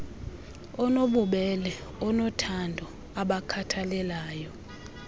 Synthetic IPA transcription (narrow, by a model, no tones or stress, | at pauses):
ɔnoɓuɓɛlɛɔnɔtʰandʱɔ | aɓakʰatʰalɛlaːjɔ